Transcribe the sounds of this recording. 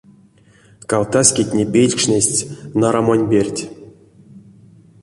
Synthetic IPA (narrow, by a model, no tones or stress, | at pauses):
kalt̪asʲkʲitʲnʲepʲejlʲkʂnʲesʲtʲnaɾamonʲbʲerʲtʲ